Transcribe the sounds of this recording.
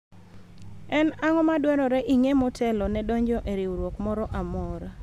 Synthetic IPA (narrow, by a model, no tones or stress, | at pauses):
ɛnaŋɔmadwɛɾɔɾɛʔiŋemɔtʰɛlɔnɛdɔɲd͡ʒɔʔeɾɪwuɾwokmɔɾɔʔamɔɾ